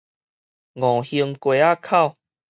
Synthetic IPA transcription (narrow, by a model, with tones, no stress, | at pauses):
ŋɔ̃˨˩hi˧ŋkwe˨a˦kʰa˥˧˨ʊ